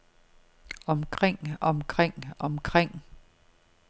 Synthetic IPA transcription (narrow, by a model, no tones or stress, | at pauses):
ɒ̽mkʰʁeŋ̰ɒ̽mkʰʁeŋ̰ɒ̽mkʰʁeŋ̰